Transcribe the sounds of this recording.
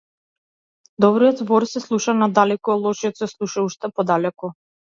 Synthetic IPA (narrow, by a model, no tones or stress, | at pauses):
d̪ɔbɾijɔt̪vɔɾsɛslˠuʃanad̪alɛkɔɔlˠɔʃijɔt̪sɛslˠuʃauʃt̪ɛpɔd̪alɛku